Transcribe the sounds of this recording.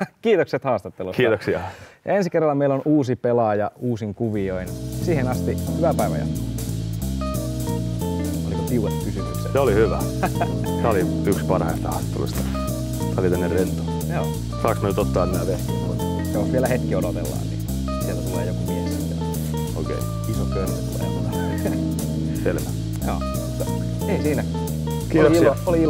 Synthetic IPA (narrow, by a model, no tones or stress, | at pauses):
kiːt̪okset̪hɑːst̪ɑt̪ːelukiːt̪oksiɑjɑ̰ensikerːɑlːɑmeilonuːsipelɑjɑuːsiŋkuʋioinsiːhenɑst̪ihyʋæpæiʋæ̰jɑ̰t̪ku | o̰likokiuʋet̪kysymyksḛseolihyʋæ | t̪æoli | ykspɑrhɑist̪ɑhɑst̪ːo̰lṵst̪ɑ̥ | t̪sæolit̪ænːerrent̪u̥ | joː | sɑːksnyt̪ot̪ːɑːminæʋest̪iot̪ː | joʋielæhet̪kiodot̪elːɑ̰ːnnḭː | sielt̪æt̪ulḛːjokumiesit̪æ̰ | okḛi | isot̪kølist̪ulḛːt̪æt̪æ | selʋæ | jo̰ː | t̪ | eisiːnæ | kiːt̪okilɑolii